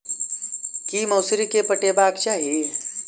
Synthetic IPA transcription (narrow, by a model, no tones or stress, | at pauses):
kiːmɐːsɾikepəʈebaːkt͡ʃaːɦe